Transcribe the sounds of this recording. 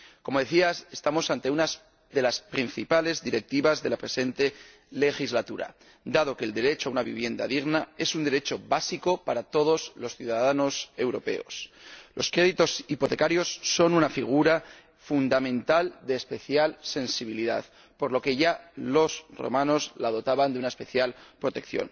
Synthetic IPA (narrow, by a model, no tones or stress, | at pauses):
ko̞mo̞ðe̞θiase̞st̪amo̞sant̪e̞unas | ðe̞laspɾin̟θipale̞zðiɾe̞k̚t̪iβazðe̞lapɾe̞se̞nt̪e̞ | le̞xizlat̪uɾa̰ | d̪að̞o̞keːld̪e̞ɾe̞t͡ʃo̞aunaβḭβ̞je̞nd̪a̰ðiɣnae̞sund̪e̞ɾe̞t͡ʃo̞basiko̞paɾat̪o̞ð̞o̞zlo̞sθjuðaðano̞se̞wɾo̞pe̞̰o̞̰slʔo̞̰skɾe̞ðit̪o̞sipo̞t̪e̞kaɾjo̞sːo̞nunafiɣ̞uɾa | fund̪amẽ̞nt̪ald̪eːspe̞θjalse̞nsiβ̞iliða̰ð | po̞ɾlo̞ke̞ʝalo̞sro̰mano̞zlað̞o̞t̪aβand̪unaespe̞θjalpɾo̞t̪e̞kθjo̞̰n